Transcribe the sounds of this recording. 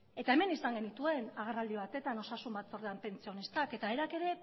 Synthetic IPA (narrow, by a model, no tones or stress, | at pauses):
e̞t̪ae̞me̞nisaŋɡe̞nit̪ue̞naɣ̞erald̪iβ̞at̪e̞t̪ano̞sasumbat̪o̞ɾðeampe̞nt͡sio̞nist̪ake̞t̪aeɾake̞ɾe̞